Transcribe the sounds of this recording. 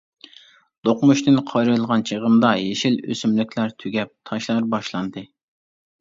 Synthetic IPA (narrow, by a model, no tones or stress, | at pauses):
d̪̥oqmuʃt̪ɪnqʰɑjɾɨlˠʁɑnt͡ʃʰeʁəmd̪ɑjeʃilø̰symlykʲʰlæɾt̪ʰyɡʲɛp̚t̪ʰɑʃlˠɑɾbɑʃlˠɑnd̪ɨ